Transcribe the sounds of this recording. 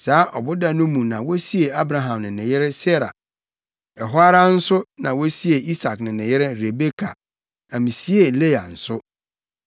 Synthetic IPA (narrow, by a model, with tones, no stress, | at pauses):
saː˨˦ʔɔ˨bʊ˦da˨nʊ̃˦mũ˨nã˨wo˦si˦e˨a˦bɾa˨ɦã˨mnɪ̃˨nɪ̃˨jɪ˦ɾɪ˦se˦ɾa̰˨ | ɛ˨ɦʊ˦a˦ɾa˦n̩˦sʊ˦nã˨wo˦si˦e˨ʔi˦sa˨knɪ̃˨nɪ̃˨jɪ˦ɾɪ˦ɾe˨be˦kʰa̰˨ | a˨mĩ˨si˦e˨le˦a˨n̩˨sʊ˦